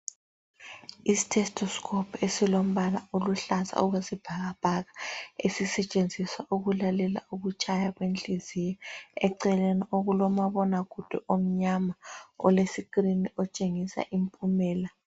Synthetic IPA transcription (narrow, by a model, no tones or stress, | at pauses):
isi̥tʰɛstʰʼɔskʰʼɔpʰesilom̩βalaoluɬaza̰ɔɣwesib̥ʱaɣab̥ʱaɣaesisɛt͡ʃʼend͡zʱiswaʔuɣulalɛla̰uɣut͡ʃʼajaɣwent͡ɬʼizijɔɛǀɛlenioɣulɔmaβɔnaɣ̥ʱud̥ʱɛʔom̩ɲamaɔ̰lesikʼriniɔt͡ʃʼeŋisa̰ʔimpʼumɛːla